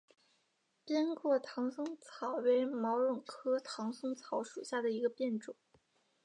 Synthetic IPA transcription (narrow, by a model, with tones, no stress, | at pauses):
pjɛ˥nkwɔ˥˩t̪ʰɑ˧˥ŋsʊ˥ŋt͡sʰɑ˨˩ʊwe˧˥ɪmɑ˧˥ʊɻʊ˨˩ŋkʰɤ˥t̪ʰɑ˧˥ŋsʊ˥ŋt͡sʰɑ˧˥ʊʂṵ˨˩ɕja˥˩d̪ə˩i˧˥ɡə˧pjɛ˥˩nʈ͡ʂʊ˨˩˦ŋ